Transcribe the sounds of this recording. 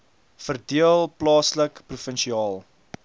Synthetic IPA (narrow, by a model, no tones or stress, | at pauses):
fərdiəlˠplɑːsləkprufənʃiɑːlˠ